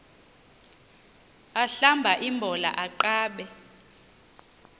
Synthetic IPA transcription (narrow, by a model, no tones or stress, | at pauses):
aɬambʱaʔimbʱɔla̰ʔaǃaːɓɛ